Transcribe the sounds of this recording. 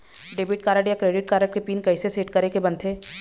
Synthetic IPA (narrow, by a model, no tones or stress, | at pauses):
ɖeːbɪʈ̚kaːɾəʈjakɾeːɖɪʈ̚kaːɾəʈ̚kepiːnkɐɪseseːʈkɐɾekebɐ̃nt̪ʰeː